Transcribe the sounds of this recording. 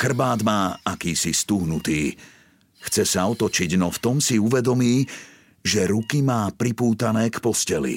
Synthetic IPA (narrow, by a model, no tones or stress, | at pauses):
xr̩baːd̪maːakiːsist̪uɦnut̪iː | xt͡sɛsaɔt̪ɔt͡ʃiɟnɔft̪ɔmsiuʋɛd̪ɔmiː | ʒɛɾukimaːpɾipuːt̪anɛːkpɔscɛlḭ